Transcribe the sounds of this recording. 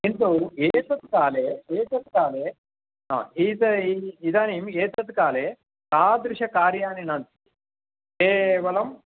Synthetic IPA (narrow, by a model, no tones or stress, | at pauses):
iɳt̪oeːsɐt̪kaːleːeːsɐt̪kaːleː | ɦa̰it̪ɐiid̪aːnimeːt̪ɐt̪kaːleː | t̪aːd̪ɾuʂɐkaːɾjaːninɐnt̪i̥ | keːʋɐlɐm